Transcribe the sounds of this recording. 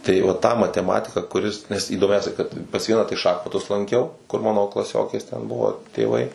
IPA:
tɐɪ ʋɐ ˈtɑː mɐtʲɛˈmɑːtʲɪkɑː kʊˈrʲɪs nʲɛs iːdoːˈmʲɛʊsʲɛ kɐt pɐs ˈʋʲiɛnɑː tɐɪ ˈʃɑːxmɐtʊs lˠɐŋʲˈkʲɛʊ kʊr ˈmɑːnoː klˠɐˈsʲoːkʲeːs tʲɛn ˈbʊʋoː tʲeːˈʋɐɪ

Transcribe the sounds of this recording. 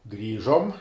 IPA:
ˈɡrʲiːʒoːm

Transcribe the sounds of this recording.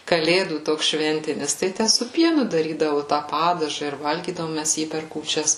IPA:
kɐˈlʲeːduː ˈtoːks ˈʃʲʋʲɛnʲtʲɪnʲɪs ˈtɐɪ sʊ ˈpʲiɛnʊ dɐˈrʲiːdɐʋʊ tɑː ˈpɑːdɐʒɑː ɪr ˈʋɐlʲɡʲiːdɐʋoːm ˈmʲæs ˈjiː pʲɛr kuːˈt͡ʃʲɛs

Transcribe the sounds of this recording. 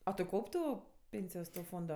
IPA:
ɐ tʊ ˈkɐʊpʲ ˈtuː ˈpʲeːnʲsʲɪjoːs toː ˈfoːndoː

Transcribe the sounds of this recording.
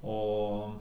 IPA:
ˈoː

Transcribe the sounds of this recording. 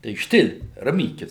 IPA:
tɐɪ ˈʃʲtʲɪlʲ rɐˈmʲiːkʲɪs

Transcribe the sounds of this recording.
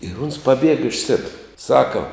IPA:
ɪr ʊns pɐˈbʲiɛɡɐ ɪʃ ˈsʲæːbʲɪrɐ ˈsɑːkɐ

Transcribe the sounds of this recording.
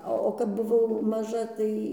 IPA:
ˈɐ oː kɐp bʊˈʋɐʊ mɐˈʒɐ ˈtɐɪ

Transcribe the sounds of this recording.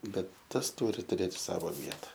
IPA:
ˈbʲɛt ˈtɐs ˈtʊrʲɪ tʊˈrʲeːt ˈsɑːʋoː ˈʋʲiɛtɐ

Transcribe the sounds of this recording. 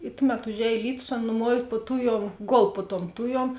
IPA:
ɪ ˈtʊˌmʲɛt ʊʒʲˈɛːj ˈlʲiːtʊs ˈɐn nʊˈmuɔw puɔ ˈtʊˌjuɔm ˈɡoːlˠ puɔ tuɔm ˈtʊˌjuɔm

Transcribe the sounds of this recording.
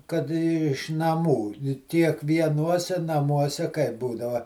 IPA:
kɐt ɪʃ nɐˈmuː kʲiɛkʋʲiɛˈnuɔsʲɛ nɐˈmuɔsʲɛ kɐɪp ˈbuːdɐʋɐ

